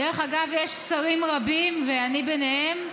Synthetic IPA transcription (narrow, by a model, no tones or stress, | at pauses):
eʁeχaɡavjeʃsaʁimʁabimveanibenehe̞m